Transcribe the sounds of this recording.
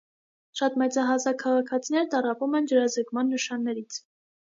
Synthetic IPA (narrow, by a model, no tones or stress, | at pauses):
ʃɑt̪mɛt͡sɑɦɑzɑkʰːɑʁɑkʰɑt͡sʰinɛɾt̪ɑrɑpumɛnd͡ʒəɾɑzəkmɑnːəʃɑnːɛɾit͡sʰ